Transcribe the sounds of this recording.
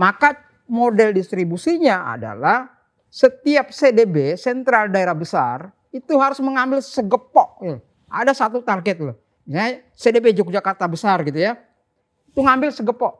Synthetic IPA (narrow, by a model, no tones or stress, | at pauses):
maka | modɛldist̪ɾibusiɲaa̰da̰lah | sət̪iap̚sedebesɛnt̪ɾaldaeɾahbəsa̰r | it̪uɦaɾʊsməŋambɪlsəɡəpɔʔ | a̰dasat̪ut̪arɡɛt̪̚loh | misaɲa | sedebed͡ʒuk̚d͡ʒakart̪abəsarɡit̪uja | it̪uŋambɪlsəɡəpɔʔ